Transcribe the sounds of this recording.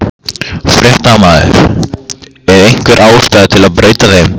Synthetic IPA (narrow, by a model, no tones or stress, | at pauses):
fɾjɛht̪amaːðɪ̰ɾ̥ | ɛɾejŋ̥kvɛɾʔaːwʏst̪aːðɪt̪ʰɪlaðpɾeːjt̪aθejm